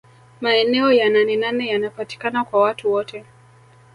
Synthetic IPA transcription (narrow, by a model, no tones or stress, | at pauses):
maɛnɛɔjananɛnanɛjanapati̥kanakwawatuwɔtɛ